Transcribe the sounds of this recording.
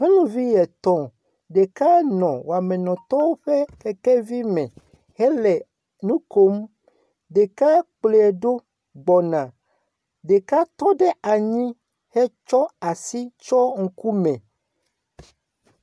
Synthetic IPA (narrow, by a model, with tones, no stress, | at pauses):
ŋẽ˦nũ˨vi˦jɛ˨t̪ɔ̃˦ | ɖe˨ka˦nɔ̃˨wa˨mɛ̃˨nɔ̃˨t̪ɔ˦wo˦ɸɛ˦kɛ˨kɛ˦vi˦mɛ̃˨ | hɛ˦lɛ˨ | nũ˦ko˦m | ɖe˨ka˦k͡ple˨ɛ˨ɖo˦ | ɡ͡bɔ˨nã˨ | ɖe˨ka˦t̪ɔ˦ɖɛ˦a˨ɲĩ˦ | hɛ˦t͡ʃɔ˦a˨si˦t͡ʃɔ˦ŋ̩˨ku˦mɛ̃˨